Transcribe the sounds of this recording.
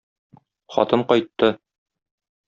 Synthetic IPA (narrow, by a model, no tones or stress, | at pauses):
χɒ̰t̪ɤɴqɒjt̪ːɤ